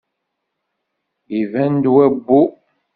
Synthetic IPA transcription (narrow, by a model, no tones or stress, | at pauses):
ivænd̪wæbːu